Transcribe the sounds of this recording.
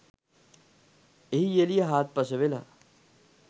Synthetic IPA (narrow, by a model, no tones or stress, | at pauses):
eɦijelijeɦaːt̪̚pɐsəʋela̰